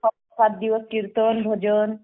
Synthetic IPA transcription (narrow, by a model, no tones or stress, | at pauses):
ɔ | sat̪̚d̪iʋoskiɾt̪onbʱod͡ʒon